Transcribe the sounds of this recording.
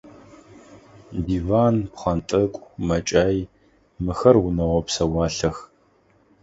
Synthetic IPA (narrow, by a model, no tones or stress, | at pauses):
diːvaːnpχɐntʼɨkʷʼmɐt͡ʃʼaːj | mɨxɐrwʊnɐwɐpsɐwɑːɬɐx